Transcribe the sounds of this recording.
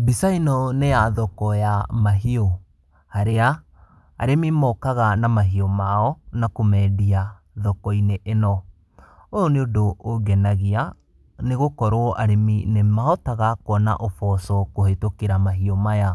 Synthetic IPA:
bisainɔnejaðɔkɔjamaɦiɔ | haɾea̰ː | ɾemimɔkaɣanamaɦiɔmaɔnakomɛːdia | ðɔkɔineʔenɔ | ojoneodooɡɛnaɣia | neɣokɔɾoɔʔaɾeminemaɦɔtaɣakwɔna̰ʔofɔsɔkohetokeɾamaɦiɔmaja

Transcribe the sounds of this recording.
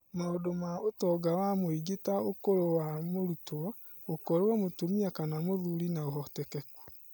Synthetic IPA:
maodomaotɔɡawamoiɡetaokoɾowamoɾutwɔ | ɡokɔɾewɔmotomiakanamoðuɾinaoɦɔtɛkɛkwɔ

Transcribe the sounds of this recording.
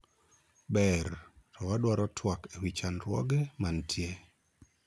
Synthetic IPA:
bɛɾtʰɔwaɗwaɾɔtʰwakewit͡ʃanɾwɔ̰ɡɛmantʰje

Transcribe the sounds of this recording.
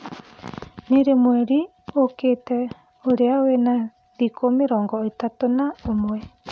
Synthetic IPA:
neɾemwɛɾi | okeːtɛ | oɾeawena | ðikʰomeɾɔːŋɡɔetatonaomwɛ

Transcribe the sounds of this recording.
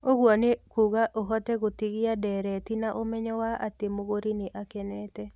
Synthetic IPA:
oɡwɔnekuɣaʔoɦɔtɛɣot̪iɡɪadɛɾɛt̪inaʔomɛɲɔwaa̰t̪emoɡoɾinɪʔakɛnɛtɛ

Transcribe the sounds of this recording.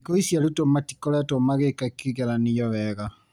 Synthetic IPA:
kɔisjaletomati̥kɔɾɛtomaɣekakiɣɛɾanijɔβɛɣa

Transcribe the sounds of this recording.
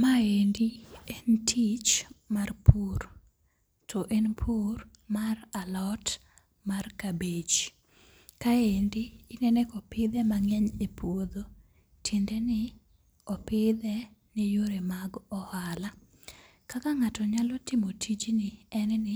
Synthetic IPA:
maendientʰit͡ʃmarpuɾ | tʰɔʔenpʰur | maralɔt | markabet͡ʃ | kaendiːnɛnɛkɔpɪd̪ɛmaŋɛɲepʰwod̪o | tʰindɛnɪ | ɔpɪd̪ɛnejoɾemaɡɔhala | kakaŋatɔɲalɔtɪmotʰit͡ʃnɪɛnnɪ

